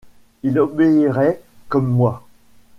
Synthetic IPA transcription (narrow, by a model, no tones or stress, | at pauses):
ilɔbeiʁɛkɔmːwa